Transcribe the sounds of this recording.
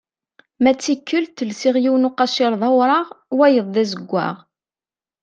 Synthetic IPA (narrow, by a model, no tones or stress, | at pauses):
mæt͡sːikːəlt̪əlsiʁjiwnʊqɑʃɪɾˤðˤɑwɾˤɑʁwæjəðˤðæzəɡʷːæ̰ʁ